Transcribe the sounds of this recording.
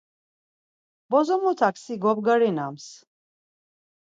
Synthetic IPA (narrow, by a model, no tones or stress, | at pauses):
bɔzɔmut̪ʰaksiɡɔbɡaɾinams